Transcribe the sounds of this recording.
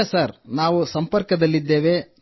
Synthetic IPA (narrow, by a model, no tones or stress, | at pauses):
saːɾnaːʋusɐmpɐɾkɐd̪ɐlːid̪ːe̞ːʋe̞